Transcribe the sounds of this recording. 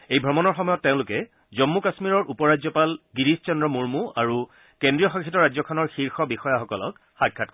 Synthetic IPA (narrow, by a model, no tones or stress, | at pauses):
ejbʱɹɔmɔnɔɹxɔmɔjɔtːeʊ̃lʊkɛ | zɔmːukasmiɹɔɹʔupɔɹad͡ʑzɔpalɡiɹist͡ʃɔndɹɔmuɹmuaɹu | kendɹijɔxãŋkʰitɔɹazɔkʰɔnɔɹxiɹxɔbixɔjaxɔkɔlɔ̰k | xaɡʰːat̚k